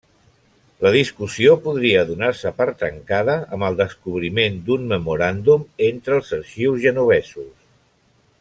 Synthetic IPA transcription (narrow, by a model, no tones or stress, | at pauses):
ləð̞iskusiopuðɾiəðunaɾsəpəɾt̪əŋkaðəʔəməlˠd̪əskuβ̞ɾimend̪unməmuɾand̪ument̪ɾəːlˠzəɾʃiwzʒənuβ̞ɛsus